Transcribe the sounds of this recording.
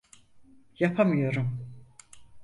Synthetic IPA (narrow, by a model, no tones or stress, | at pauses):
japʰamɯjo̞ɾum